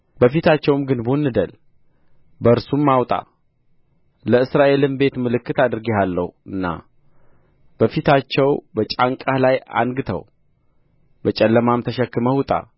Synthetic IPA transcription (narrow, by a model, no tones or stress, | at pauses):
bəfit̪at͡ʃːɛwmɡɨnbunːɨd̪əl | bəɨɾsumːawt̪ʼa̰ | ləɨsɾaʔe̞lɨnbe̞t̪mɨlɨkːɨt̪ad̪ɨɾɡeɦalːəhuɨnːa̰ | b̥əfit̪at͡ʃːɛwbət͡ʃʼaŋkʼalaja̰nɡɨt̪ʰə̰w | bət͡ʃʼɛlːəmamt̪ʰəʃɛkːɨməhut̪ʼa̰